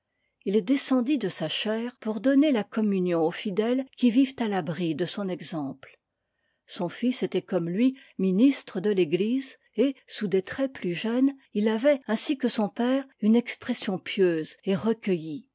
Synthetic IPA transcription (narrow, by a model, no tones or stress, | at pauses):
ild̪esɑ̃d̪id̪əsaʃɛːʁpuʁd̪ɔnelakɔmynjɔ̃ofid̪ɛlkʲivivt̪alabʁid̪əsɔ̃nɛɡzɑ̃pl | sɔ̃fiset̪ɛkɔmlɥi | minist̪χəd̪əleɡliz | esud̪et̪χɛplyʒœnilavɛɛ̃sikəsɔ̃pɛːʁynɛkspχɛsjɔ̃pjøzeʁəkʲəji